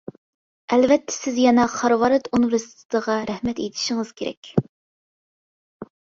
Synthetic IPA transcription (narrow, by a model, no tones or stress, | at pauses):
ɛlvɛt̪ʰːɛ̥sɪzjɛnɑχɑɾwɑɾɨt̪onɾɨst̪ʰɨ̥d̪̥əʁɑɾɛhmɛt̪et̪ʰɪ̥ʃɪŋɨz̥kʲʰeɾɛ̰kʲ